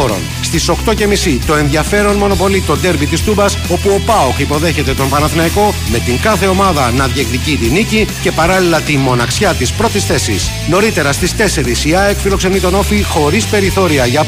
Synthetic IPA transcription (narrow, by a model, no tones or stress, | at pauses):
oɾo̞̰n | st̪iso̞kt̪o̞ce̞misit̪o̞e̞nðʝɐfe̞ɾo̞nmo̞no̞po̞lit̪o̞d̪e̞ɾvit̪ist̪ubɐso̞puo̞pɐoxipo̞ðe̞çe̞t̪e̞t̪o̞mpɐnɐθnɐiko̞me̞t̪iŋkɐθe̞o̞mɐðɐnɐðjeklicit̪inicice̞pɐɾɐlilɐt̪imo̞nɐksçɐt̪ispɾo̞t̪isθe̞sḭs | no̞ɾit̪e̞ɾɐst̪ist̪e̞se̞ɾisiɐekfiɾo̞kse̞nit̪o̞no̞fixo̞ɾispe̞ɾiθo̞ɾiɐʝɐ